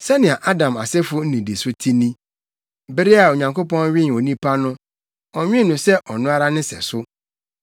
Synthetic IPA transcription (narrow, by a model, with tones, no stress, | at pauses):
sɛ˦nɪ̃˨a˨ʔa˦dã˨ma˨sɛ˦fʊ˦n̩˦nĩ˨di˨sʊ˦tʰi˦nĩ˦ | bɪ˦ɾɪ˦a˨o˨ɲã˨ŋko˦pɔ̃˦nɥɪ˦n˨o˨nĩ˦pʰa˦nʊ̃˦ | ɔ˨ɲᶣɪ̃˦nʊ̃˨sɛ˦ʔɔ˨nʊ̃˦a˦ɾa˦nɪ̃˦sɛ̰˨sʊ˦